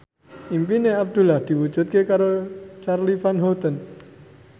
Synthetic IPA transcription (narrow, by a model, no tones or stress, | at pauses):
ʔimpineab̚d̪̥ulahd̪̥i̤wud͡ʒṳt̪̚kekaɾot͡ʃarlifanɦot̪ən